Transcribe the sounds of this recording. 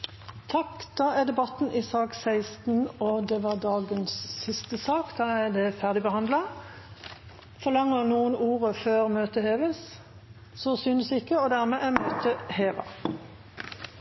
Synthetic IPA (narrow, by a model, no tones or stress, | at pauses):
t̪ʰɑkd̪̥ɑːæd̪ɛbɑt̪n̩ʔɪsɑːksæɪst̪n̩od̪ɛʋɑːʁd̪ɑːɡənssɪst̪əsɑːkd̪ɑːæd̪ɛfæʁd̪ɪbəhɑnd̪lɑ | fɔʁlɑŋːənuːənuːʁəføːʁmøːt̪əheːʋəs | sosʏnəsɪkːəɔd̪æʁmɛʔæmøːt̪əheːʋɑ̰